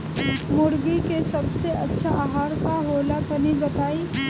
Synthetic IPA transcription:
mʊɾɡikesɐbseʔɐtːʃʰaʔaːɦaːɾkaɦoːlat̪ʰɐnibɐt̪aːiː

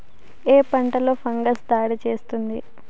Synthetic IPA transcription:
eːpɐɳʈɐlo̞ːpʰɐŋɡɐsd̪aːɽit͡ʃe̞ːst̪und̪i

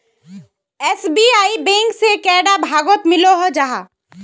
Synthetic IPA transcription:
ɛːsbiaːibẽːŋksekɛːɖabʱaːɡot̪mɪloɦod͡ʒaɦa̰ː

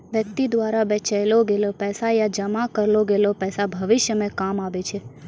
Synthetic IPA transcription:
ʋjək̚t̪id̪ʋaɾabɛt͡ʃaeloɡelopɛːsajad͡ʒəmakəɾloɡelopɛːsabʱəʋɪʃjəmẽkamaʋet͡ʃʰe

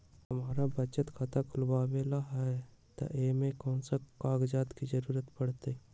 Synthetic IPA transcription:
həmaːɾabət͡ʃət̪kʰat̪akʰʊlbaːbeːlaɦɛ | t̪a̰ʔeːmẽkɔːnsakaːɡd͡ʒaːt̪kid͡ʒəɾuːɾət̪pəɽ̤t̪e

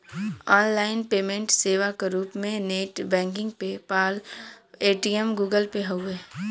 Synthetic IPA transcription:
ɔːnlaːɪnpeːmẽɳʈseːʋakeɾuːpmẽneːʈbɛ̃ːŋk̬ɪ̃ŋɡ̚pepaːleːʈiemɡuːɡəlpeɦoeː

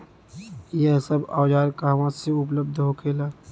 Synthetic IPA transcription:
jɛɦsɐba̰ːd͡ʒaːɾkaːɦʋãːseʊp̬ləb̚d̪ʱɦokʰeːlaː

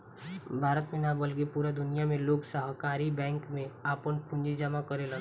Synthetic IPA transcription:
bʱaːɾət̪mẽnabəlkepuːɾad̪ʊnijamẽloːɡsəɦkaːɾibɛ̃ːŋkmẽaːpənkʊ̃ɲd͡ʒid͡ʒɐmakɐɾelɐɡ

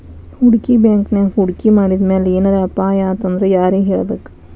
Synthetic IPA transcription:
huɽkibjaːŋknehuɽkimaːɽid̪meːleeːnɐɾeɐpaːjaːt̪ɐnd̪ɾejaːɾeɦeːɭbeːk

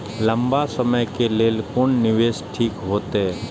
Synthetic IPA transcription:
lə̃mbasəməjkeleːlkʊɳnɪʋeːsʈʰiːkɦoːt̪eɦɛ

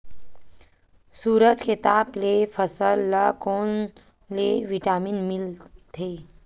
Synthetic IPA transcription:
suːɾəd͡ʒket̪aːblepʰəsəlːakoːn | leʋɪʈaːminmɪlt̪ʰeː

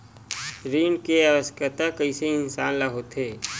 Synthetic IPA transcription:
ɾiːnkeɐʋəskət̪akəiseɪnsaːnlaɦot̪ɦeː

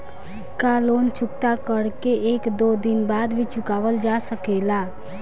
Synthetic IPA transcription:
kaloːnt͡ʃʊkt̪akəɾkeeːkd̪oːd̪ɪnbaːd̪bʱit͡ʃʊkaːʋəld͡ʒasəkeːlaː

